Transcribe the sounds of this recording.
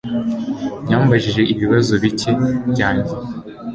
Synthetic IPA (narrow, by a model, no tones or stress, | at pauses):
jaːmbaʒiʒe̞ʔiβiβazo̞βicebjaːɲɟe